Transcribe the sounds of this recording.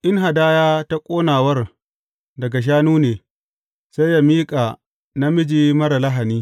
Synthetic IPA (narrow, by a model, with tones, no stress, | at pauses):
ʔɪ˦ŋɦa˨daː˦jaː˦ta˦kʷʼoː˦naː˨wɐ˦r | dɐ˨ɡa˨ʃ̬aː˦nuː˦neː˨ | sa˦jːa˦miː˦kʼaː˨ | na˦mɪ˦d͡ʒiː˦mɐ˦ɾa˨la˦ɦa˨niː˦